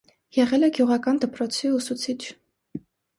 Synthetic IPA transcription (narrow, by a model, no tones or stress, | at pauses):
jɛʁɛlɛɡjuʁɑkɑnd̪əpɾɔt͡sʰiusut͡sʰit͡ʃʰ